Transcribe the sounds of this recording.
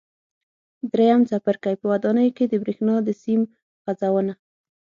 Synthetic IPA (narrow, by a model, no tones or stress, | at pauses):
d̪ɾejamt͡sapəɾkajpəwad̪ɑnəjoked̪əbɾexnɑd̪əsim | ɣazawəna